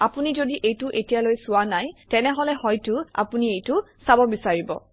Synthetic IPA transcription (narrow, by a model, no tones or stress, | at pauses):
apunizodiʔejtʊʔetijalojsʊwanajtɛnɛɦɔlɛhɔjtʊa̰puniejtʊsabɔbisaɹibɔ̰